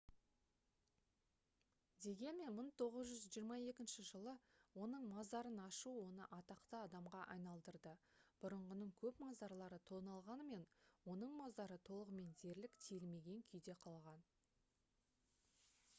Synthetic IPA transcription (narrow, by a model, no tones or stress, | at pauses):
d̪e̞ɡʲe̞nme̞nməɴt̪ʰo̞ʁəzʒʏzʒijəɾmɑje̞kʲɪnʃɪʒəlˠəwo̞nəɴmɑzd̪ɑɾənɑʃuwo̞nə̰ʔɑt̪ɑqt̪əɑd̪ɑmʁɑʔɑjnɑlˠd̪əɾd̪əb̥ʊɾəɴʁənəɴkʲʰɵpmɑzd̪ɑɾlˠɑɾət̪ʰo̞nɑlˠʁɑnəme̞nwo̞nəɴmɑzd̪ɑɾət̪ʰo̞lˠəʁəme̞nd̪e̞ɾlɪkt̪ʰelme̞ɡʲe̞ŋkʲʰʏjd̪e̞qʰɑlˠʁɑn